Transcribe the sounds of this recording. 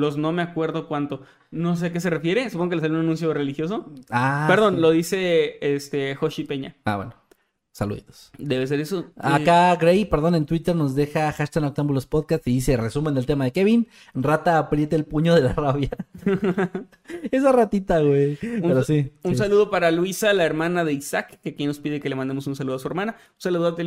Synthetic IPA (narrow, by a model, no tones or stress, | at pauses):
lo̞zno̞me̞akwe̞ɾðokwant̪o | no̞s̬eak̬es̬e̞refje̞ɾesupoŋɡokelesalunanũns̬jorelixjo̞s̬o̞apeɾðo̞nlo̞ðise̞est̪exoʃipeɲa̰a̰βweno | sa̰lṵðḭt̪o̥sd̪eβes̬e̞ɾesoakaɡɾejpe̞ɾðo̞ne̞nt̪wit̪e̞ɾno̞zðe̞xaxaʃt̪anok̚t̪ambulospoðkast̪siðise̞re̞sumend̪elt̪e̞maðe̞ke̞βin | rat̪aːpɾje̞t̪eːlpuɲo̞ðe̞laraβja | esarat̪it̪aɣwepueɾosiuns̬aluð̞o̞paɾalwisalaeɾmãnaðe̞isakːekjeno̞spiðeke̞lemãnd̪emo̞sunsaluðoasueɾmãna | usaluðuat̪e